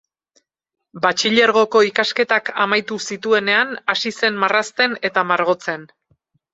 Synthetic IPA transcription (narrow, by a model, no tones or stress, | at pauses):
bat͡ʃiʎe̞ɾɣ̞o̞ko̞ikaske̞t̪akamajt̪usit̪ue̞ne̞anasise̞nmarast̪e̞ne̞t̪amaɾɣ̞o̞t͡se̞n